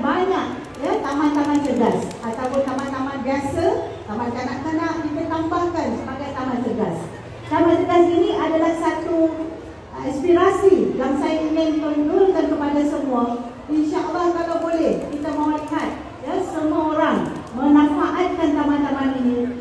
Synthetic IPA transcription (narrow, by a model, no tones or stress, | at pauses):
baɲak̚ | jat̪amãnt̪amãnt̪əɡas | at̪awpʊnt̪amãnt̪amãnbiasat̪amãnt̪anãʔkənãʔdipərt̪ampaŋkansəbaɡajt̪amãnt̪əɡa̰s | t̪amãnt̪əɡasinĩʔadalahsat̪u | ispiɾasiɡamsajniɲãnpəlɡulkankəpadasəmũa | inʃaʔəlːɑhkalawbolɛhkit̪aməmaliɦat̪̚ | jasəmuaoɾaŋmə̃nãmpaʔat̪̚kant̪amãnt̪amãninĩ